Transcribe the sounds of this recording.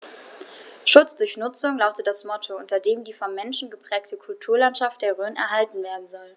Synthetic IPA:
ʃʊt͡sd̥ʊɐçnʊt͡sʊŋlaʊtəd̥asmɔtʰoʊntɐdeːmdiːfɔnmɛnʃn̩ɡəpʁ̥ɛːk̚tʰəkʰʊltʰuːɐlantʃaft̚d̥eːɐʁøːnɛ̰ɐɦaltn̩veːɐdn̩zɔl

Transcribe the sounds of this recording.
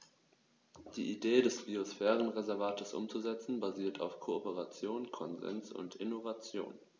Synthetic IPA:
d̥iːʔideːdɛsb̥iosfɛːʁ̞ənʁezɛɐvaːtʰəsʔʊ̰mt͡suzɛt͡sn̩baziːɐtʰa̰ʊfkʰoopəʁat͡sjoːnkʰɔnzɛ̰nsʊ̰ntʔɪnovat͡sjo̰ːn

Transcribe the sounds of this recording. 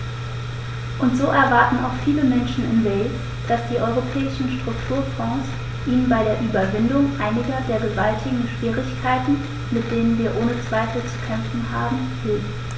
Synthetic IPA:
ʔʊntz̥oːʔɛɐvaɐtn̩a̰ʊxfiːləmɛnʃn̩ɪ̰nveː | d̥asd̥iːʔɔʏʁopʰɛːɪʃn̩ʃtʁ̥ʊktʰuːɐfɔ̃ːs | ʔiːnənbaɪɾeːɐʔyːbɐvɪndʊŋʔaɪnɪɡɐdeːɐɡəvaltʰɪɡŋ̩ʃv̥iːʁɪçkʰaɪtn̩ | mɪt̚d̥eːnənviːɐʔoːnət͡sv̥aɪfl̩t͡su̥kʰɛmfn̩ɦaːbm̩ | fɪlf

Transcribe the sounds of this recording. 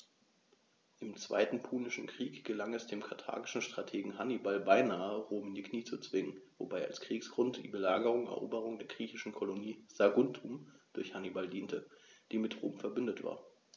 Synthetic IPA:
ʔɪmt͡sv̥a̰ɪtn̩pʰuːnɪʃn̩kʁ̥iːkɡ̥əlaŋɛsd̥eːmkʰatʰa̰ːɡɪʃn̩ʃtʁ̥atʰeːɡŋ̩ɦanibalbaɪnaːəʁoːmndikʰniːt͡sut͡sv̥ɪŋənvo̰baɪa̰lskʁ̥iːksɡ̥ʁʊntd̥ḭːbəlaːɡəʁ̞ʊŋɛ̰ɐʔoːbəʁ̞ʊŋdeːɐɡʁiːçɪʃn̩kʰoloniːz̥aɡʊntʰumd̥ʊɐçhanibaldiːntəd̥iːmɪtʁo̰ːmfɛɐbʏndətv̥a̰ːɐ

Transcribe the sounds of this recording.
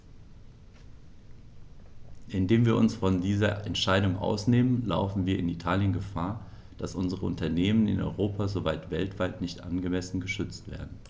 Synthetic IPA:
ʔɪndeːmviːɐʔʊnsfɔndiːzɐʔɛ̰ntʃaɪdʊŋʔa̰ʊsneːmənla̰ʊfn̩viːɐɪnitʰaːljənɡəfaːɐ | d̥asʔʊnzəʁəʔʊ̰ntɐneːmənɪ̰nʔɔ̰ʏʁoːpazovaɪtv̥ɛltv̥aɪtnɪçtʔa̰nɡəmɛsn̩ɡəʃʏt͡stv̥ḛːɐdn̩

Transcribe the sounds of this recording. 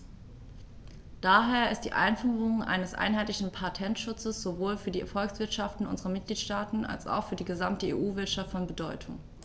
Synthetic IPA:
d̥aːɦeːɐɪst̚d̥ḭːʔa̰ɪnfyːʁʊŋʔa̰ɪnəsʔa̰ɪnɦaɪtlɪçn̩pʰatʰɛntʃʊt͡səsz̥ovoːlfyːɐdiːʔɛɐfɔlksv̥ɪɐtʃaftn̩ʔʊ̰nzəʁɐmɪt̚ɡ̥liːtʃtaːtn̩ʔa̰lsa̰ʊxfyːɐdiːɡəzamtəḛːʔuːvɪɐtʃaftfɔnbədɔʏtʰʊŋ

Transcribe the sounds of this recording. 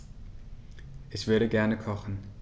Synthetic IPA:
ʔɛçv̥ʏɐɾəɡɛɐnəkʰɔχn̩

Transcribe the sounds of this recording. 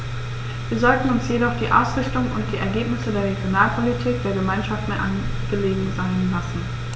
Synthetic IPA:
viːɐzɔltn̩ʊnsjedɔχd̥iːʔa̰ʊsʁ̥ɪçtʊŋʊ̰ntd̥iːʔɛɐɡeːpnɪsədeːɐʁ̞eɡjonaːlpʰolitʰiːk̚d̥eːɐɡəmaɪnʃaftmeɐʔan | ɡ̥əleːɡŋ̩zaɪnlasn̩

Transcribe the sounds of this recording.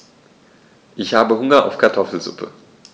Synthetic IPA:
ʔɪçhaːbəɦʊŋɐʔa̰ʊfkʰaɐtʰɔfl̩zʊ̰pʰə̰

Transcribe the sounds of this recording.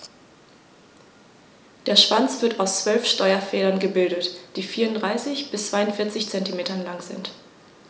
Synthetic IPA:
d̥eːɐʃv̥ant͡sv̥ɪɐtaʊst͡sv̥œlfʃtɔʏɐfɛːdɐnɡəbɪldətd̥iːfiːɐʊntdʁaɪsɪçb̥ɪst͡sv̥aɪʊntfɪɐt͡sɪçt͡sɛntimeːtɐnlaŋzɪ̰nt

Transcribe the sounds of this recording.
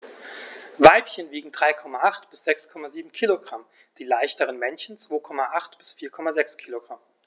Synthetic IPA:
vaɪpçənviːɡŋ̩dʁaɪkʰɔmaʔaχtb̥ɪsz̥ɛkskʰɔmaziːbm̩kʰiːloɡʁam | d̥iːlaɪçtəʁənmɛnçn̩t͡sv̥oːkʰɔmaʔaχtb̥ɪsfiːɐkʰɔmazɛkskʰiːloɡ̥ʁam

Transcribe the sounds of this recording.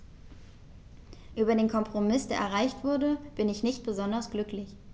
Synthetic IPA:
ʔyːbɐdeːnkʰɔmpʁ̥omɪsd̥eːɐʔɛɐʁ̞aɪçtv̥ʊɐdəb̥ɪnɪçnɪçt̚b̥əzɔndɐsɡ̥lʏklɪç

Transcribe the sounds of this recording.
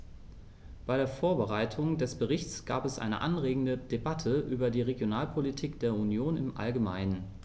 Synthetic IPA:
b̥aɪɾeːɐfoːɐbəʁ̞aɪtʰʊŋdɛsb̥əʁɪçt͡sɡ̥a̰ːpɛsʔa̰ɪnə̰ʔa̰nʁeːɡŋ̩dədebatʰəʔyːbɐdiːʁeɡjonaːlpʰolitʰiːkd̥eːɐunjoːnɪmʔa̰lɡəma̰ɪnən

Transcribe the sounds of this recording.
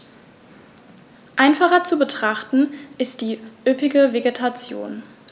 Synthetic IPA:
ʔaɪnfaχɐt͡subətʁ̥aχtn̩ʔɪstd̥iːʔʏpɪɡəveɡetʰat͡sjo̰ːn

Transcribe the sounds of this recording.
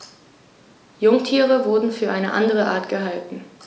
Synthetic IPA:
jʊŋtʰiːʁ̞əvʊɐdn̩fyːɐʔaɪnəʔa̰ndəʁ̞əʔa̰ːɐtɡ̥əɦaltn̩

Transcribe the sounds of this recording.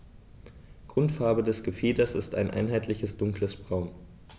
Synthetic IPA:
ɡ̥ʁʊntfaɐbədɛsɡ̥əfiːdɐsɪstaɪnʔa̰ɪnɦaɪtʰlɪçəsd̥ʊŋkləsb̥ʁaʊn

